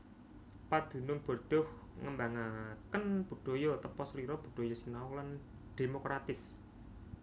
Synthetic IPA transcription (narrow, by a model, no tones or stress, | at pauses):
pad̪̥ṳnʊŋb̥ɔ̤ɖ̥ɔ̤h | ŋəmbaŋakənb̥ṳɖ̥o̤jɔt̪əpɔsliɾɔb̥ṳɖ̥o̤jɔsinawlan | ɖ̪̥emokɾat̪ɪs